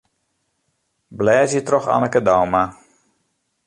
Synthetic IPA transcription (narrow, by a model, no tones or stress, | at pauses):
blɛːzjətrɔxa̰nəkədawma